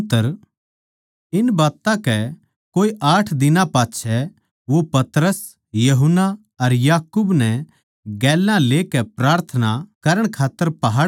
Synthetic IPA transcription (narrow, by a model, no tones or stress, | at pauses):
t̪ːəɾ | ɪnbaːt̪ãkɛ | koːiʔaːʈʰd̪ɪnãpaːtːt͡ʃʰɛ | ʋopɐt̪ɾəs | jɐɦʊna | ɐɾjaːkuːbnɛ | ɡɛːlːãleːkɛpɾaːɾt̪ʰənakɐɾəɽ̃kʰaːt̪ːəɾpɐɦaː